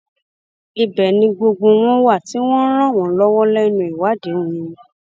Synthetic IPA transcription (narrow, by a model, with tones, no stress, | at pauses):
i˧bɛ˨nĩ˧ɡ͡bo˧ɡ͡bõ˧w̃ɔ̃˦wa˦˨ti˨˦w̃ɔ̃˦n̩˦ɾ̃ã˦˨w̃ɔ̃˨˦lɔ˦wɔ˦lɛ˦nũ˧˨i˨wa˨˦de˨˦ũ˨jĩ˧